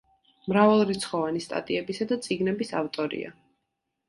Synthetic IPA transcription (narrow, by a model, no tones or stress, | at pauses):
mɾavalˠɾit̪sʰχɔvanist̪ʼa̰t̪ʼiɛbisad̪at̪sʼiɡnɛbisaft̪ʼɔɾḭa̰